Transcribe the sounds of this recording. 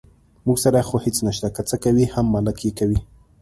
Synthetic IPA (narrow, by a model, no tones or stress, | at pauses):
muɡsaɾaxohɪt͡snaʃt̪akat͡səkawihamːalɪkjekawi